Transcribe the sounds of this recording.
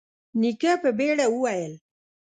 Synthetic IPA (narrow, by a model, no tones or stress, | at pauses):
nikapəbeɽawuwajəl